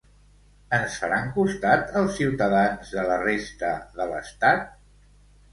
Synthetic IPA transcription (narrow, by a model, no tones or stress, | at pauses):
ənsfəɾaŋkust̪at̪əlˠsːiwt̪əðanzðələrest̪əðələ̰st̪at̪̚